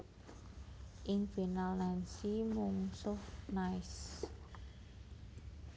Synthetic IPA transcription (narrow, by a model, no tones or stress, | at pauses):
ʔɪŋfinalnɛnsimuŋsʊhnaɪs